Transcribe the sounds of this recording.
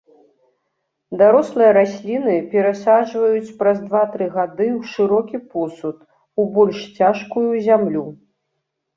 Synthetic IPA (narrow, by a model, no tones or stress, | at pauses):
d̪aɾɔslˠɨjɐɾasʲlʲinɨpʲɛɾasaʐvɐjut͡sʲpɾɐzd̪vat̪ɾɨɣad̪ɨwʂɨɾɔkʲipɔsut̪ | ubɔlʲʂt͡sʲaʂkujuzʲamlʲu